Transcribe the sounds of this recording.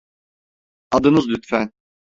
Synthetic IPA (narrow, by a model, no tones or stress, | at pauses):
ɑd̪ɯnɯzlyt̪fæn